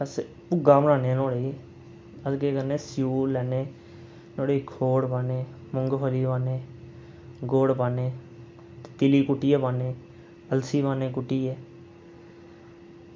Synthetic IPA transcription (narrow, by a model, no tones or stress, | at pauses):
bəs | pʊɡaːmɾaːnẽːnoːɽeːi | əskeːkəɾnẽːsɪjuːlɛːneː | noːɽeːikʰoːɽpaːneː | mʊŋɡpʰəliːpaːneː | ɡoːɽpaːnẽː | t̪et̪ɪliːkʊʈːiːɛːpaːnẽː | əlsiːbaːneːk̬ʊʈːiːɛː